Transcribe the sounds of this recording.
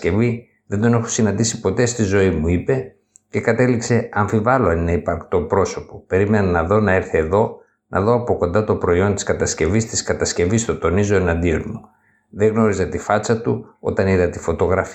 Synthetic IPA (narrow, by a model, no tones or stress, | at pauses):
ce̞vi | ðe̞nd̪o̞ne̞xosinɐnd̪isi̥po̞t̪e̞st̪izo̞imuipe̞ | ce̞kɐt̪e̞likse̞ɐɱfivɐlo̞ɐnineipɐɾkt̪o̞pɾo̞so̞pope̞ɾime̞nɐnɐðo̞nɐeɾθeːðo̞ | nʔɐ̰ðo̞ɐpo̞ko̞nd̪ɐt̪o̞pɾo̞io̞nt̪i̥skɐt̪ɐsce̞vist̪iskɐt̪ɐsce̞vist̪o̞t̪o̞nizo̞e̞nɐnd̪io̞nmu | ðeɣno̞ɾizɐt̪ifɐt͡sɐt̪uo̞̰t̪ɐniðɐt̪ifo̞t̪o̞ɣɾɐf